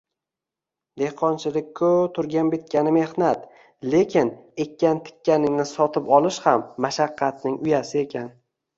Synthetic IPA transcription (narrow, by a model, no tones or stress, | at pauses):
d̪e̞hqʰɒnt͡ʃʰɪlɪk̚ʲkʰːɵt̪ʰʊɾɡʲanbet̪̚kʲanɪme̞hnat̪ | le̞kʲʰɪne̞kʲːant̪ʰɪ̥kʲːanɪŋnɪsɒt̪ʰɪpɒlˠɪʃhamːaʃaqʰːɑt̪̚nɪŋʊjasɪe̞kʲʰan